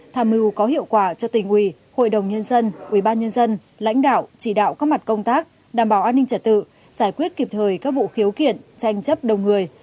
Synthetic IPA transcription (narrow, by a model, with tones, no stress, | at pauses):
t̪ʰaː˨˩mɨ˨˩wkɔ˨˦ɦḭ˧˨əwkwaː˧˩t͡ɕɔ˧t̪ï˨˩ŋ̟ʔwi˧˩ | ho̰˧˨jɗə˨˩wŋ͡mɲə˧nzə˧nʔwi˧˩ɓaː˧nɲə˧nzə˧n | la̰˧˥jŋ̟ɗa̰ː˧˨wt͡ɕi˧˩ɗa̰ː˧˨wkɔː˦˥k̚ma˨˩t̚kə˧wŋ͡mt̪aː˦˥k̚ | ɗaː˨˩mɓaː˧˩wʔaː˧nːï˧ŋ̟t͡ɕə˧˩t̚t̪ɨ̰˧˨ | z̥aː˧˩jkwi˦˥ət̚ki˨˩p̚t̪ʰəː˨˩jkaː˦˥k̚vṵ˧˨xi˨˦əwkḭ˧˨ənt͡ɕa˧jŋ̟t͡ɕə˦˥p̚ɗə˨˩wŋ͡mŋɨ˨˩əj